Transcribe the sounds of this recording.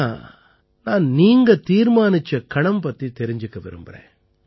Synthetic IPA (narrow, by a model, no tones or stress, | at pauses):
naːnniːŋɡɐt̪iːɾmaːnɪt͡ʃːɐkɐɳɐmpɐt̪ːit̪ɛɾɪɲd͡ʒɯkːɐʋɛɾɯ̰mbɐɾḛ̃ː